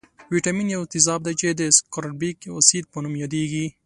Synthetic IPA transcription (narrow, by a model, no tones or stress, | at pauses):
wiʈaminjawɪt̪ɪzɑbd̪at͡ʃed̪əskoɾaʈbiko̰sid̪̚pənumjɑd̪eɡi